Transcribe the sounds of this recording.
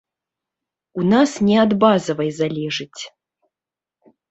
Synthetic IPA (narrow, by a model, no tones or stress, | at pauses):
unasnʲɛad̪bazɐvɐjzalʲɛʐɨt͡sʲ